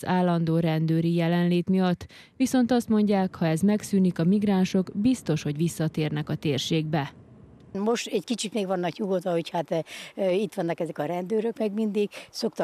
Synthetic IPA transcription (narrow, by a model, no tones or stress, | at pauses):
zaːlːɒnd̪oːɾɛnd̪øːɾijɛlɛnleːt̪mijɒt̪ː | ʋiso̞nt̪ɒst̪mo̞ɲɟaːkhɒɛzmɛksyːnikɒmiɡraːnʃo̞kbist̪o̞ʃho̞ɟʋisːɒt̪eːrnɛkɒt̪eːrʃeːɡbɛ | mo̞ʃt̪ɛckit͡ʃit̪meːɡʋɒnːɒkɲuɡot̪ʋɒho̞chat̪it̪ʋɒnːɒkɛzɛkɒɾɛnd̪øːɾøkmɛɡmind̪iɡ̥sokt̪